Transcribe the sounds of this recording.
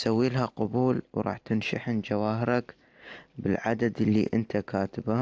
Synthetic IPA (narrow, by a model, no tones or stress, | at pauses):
sawːiːlɦaqʊbuːlwɾˤʔɑ̰ːħt̪ɪnʃaħɪnd͡ʒawaːhɪɾak | bɪlʕad̪ad̪ɪlːḭʔɪnt̪akaːt̪ɪba